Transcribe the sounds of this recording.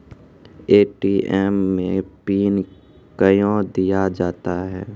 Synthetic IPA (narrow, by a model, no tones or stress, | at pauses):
eːʈiʔɛmːẽpiːn | kəjõd̪ijad͡ʒaːt̪aɦɛː